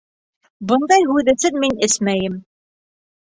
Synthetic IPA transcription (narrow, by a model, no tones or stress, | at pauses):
bɤ̆nd̪ɑjhʉðɘ̆sɘnminɘsmæjɘm